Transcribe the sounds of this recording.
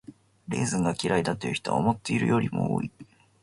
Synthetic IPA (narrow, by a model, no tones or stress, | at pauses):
ɾe̞ːzɨ̃ŋɡakʲiɾaid̪at̪ːejɯ̟çi̥t̪oa̰omo̞t̪ːe̞iɾɯ̟̰jo̞ɾʲimo̞̰o̰ːi